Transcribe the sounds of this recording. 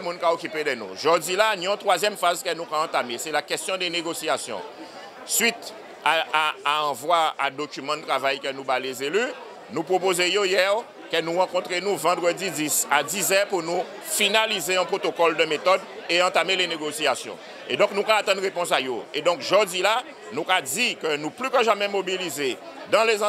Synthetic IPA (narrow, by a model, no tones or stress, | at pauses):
mũnkaokʲyped̪ɛnṵ̃ʒɔd̪ilaniɔ̃t̪χwazjɛmfazkənũkãːt̪amesɛlakɛst̪jɔ̃d̪ɛneɡosiasjɔ̰̃ | sɥit̪ | aaaɑ̃vwaɛ̃d̪okʲymɑ̃d̪ət̪ʁavajkənubalezely | nupχop̬ozejojɛʁ | kənuʁɑ̃kɔ̃t̪ʁenuvɑ̃d̪ʁəd̪id̪isad̪izɛpuʁnu | finalizeɛ̃pχot̪okɔld̪əmet̪ɔd̪eɑ̃t̪ameleneɡosiasjɔ̰̃ | ḛd̪ɔ̃k̚nũkaːt̪ɑ̃d̪ʁepɔ̃sajoed̪ɔ̃kʒod̪ila | nũkad̪ikənuplykəʒamɛmobilize | d̪ɑ̃lez̃